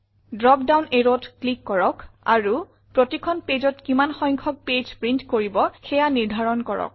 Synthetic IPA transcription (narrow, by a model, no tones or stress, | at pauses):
dɹɔpdawneɹotklikːɔɹɔka̰ɹu | pɹotikʰɔnpezɔtkimanxɔjŋkʰɔk̚ped͡ʒpɹintkoɹibɔxɛjaniɹdʱaɹɔnkɔɹɔ̰k̚